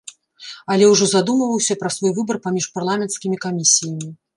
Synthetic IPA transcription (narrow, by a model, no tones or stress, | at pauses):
ɐlʲɛwʐɔzad̪umɐvɐwsʲɐpɾɐsvɔjvɨbɐrpamʲiʂparlˠamʲɛnt̪skʲimʲikamʲisʲijɐmʲi